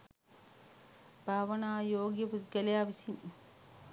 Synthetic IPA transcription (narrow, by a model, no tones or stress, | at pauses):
b̥ʱaːʋɐnaːjoːɡjɐput̪ɡɐlɐjaːʋisim